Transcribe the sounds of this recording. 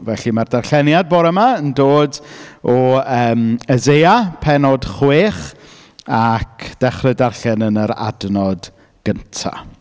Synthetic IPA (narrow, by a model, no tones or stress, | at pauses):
vɛɬimardarɬɛnjad̚bɔɾəmaəndoːdɔəːməzejapʰɛnɔd̥χweːχ | akʰd̥ɛχrɨdarɬɛnənəɾa̰dnɔd | ɡ̥əntʰa̰